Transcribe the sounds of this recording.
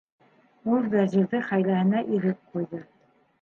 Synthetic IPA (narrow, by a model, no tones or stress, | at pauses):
ulˠvæzilðɘχæjlæhɘ̆næʔiɾɘp̚qujðɤ